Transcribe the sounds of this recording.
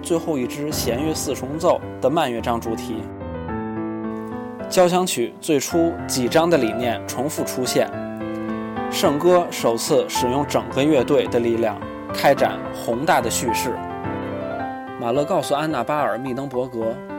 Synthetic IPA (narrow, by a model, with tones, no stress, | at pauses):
t͡swe˥˧ɪxo˥˧ʊi˥˩ʈ͡ʂɻ̩˥ɕjɛ˧˥nɥɛ˥sɹ̩˥˩ʈ͡ʂʰʊ˧˥ŋt͡so˥˩ʊd̪̥ə˩ma˥˧nɥɛ˥˩ʈ͡ʂɑ˥ŋʈ͡ʂu˨˩t̪ʰi˨˩˥ | t͡ɕjɑ˥ʊɕjɑ˧˥ŋt͡ɕʰy˨˩˦t͡swe˥˩ɪʈ͡ʂʰu˥t͡ɕi˨˩ʈ͡ʂɑ˥ŋd̪ə˨li˨˩njɛ˥˩nʈ͡ʂʰʊ˧˥ŋfu˥˩ʈ͡ʂʰu˥ɕjɛ̰˥˩n | ʂɤ˥˩ŋkɤ˥ʂo˨˩ʊt͡sʰɹ̩˥˩ʂɻ̩˨˩jʊ˥˩ŋʈ͡ʂɤ˨˩ŋɡə˦ɥɛ˥˧t̪we˥˩ɪd̪ə˩li˥˩ljɑ̰˥˩ŋ | kʰa˥ɪʈ͡ʂa̰˨˩˦n | xʊ˧˥ŋt̪a˥˩d̪ə˩ɕy˥˧ʂɻ̩˥˩ | ma˨˩lɤ˥˧kɑ˥˧ʊsu˨˩a˥na˥˩pa˥ə˞˨˩˦mi˥˩t̪ɤ˥ŋpwɔ˧˥kɤ˧˥